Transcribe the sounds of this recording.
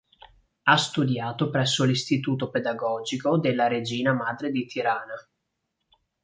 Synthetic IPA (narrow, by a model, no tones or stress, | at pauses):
ast̪ud̪jaːt̪opɾɛsːolist̪it̪uːt̪oped̪aɡɔːd͡ʒikod̪elːaɾed͡ʒiːnamaːd̪ɾed̪it̪ʰiɾaːna